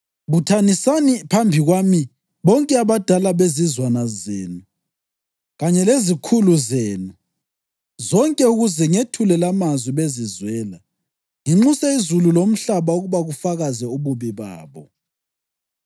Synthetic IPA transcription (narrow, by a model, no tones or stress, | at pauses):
βutʰanisanipʰambʱiɣwami | βɔŋkʼɛaβad̥ʱalaβezizwanazeːnu | ɣaɲɛlezikʰuluzeːnu | zɔŋkʼɛuɣuzɛŋetʰulɛlamazwiβezizwɛːla | ŋiŋ͡ǁusɛizululom̩ɬaβauɣuβaɣufaɣazɛuβuβiβa̰ːβɔ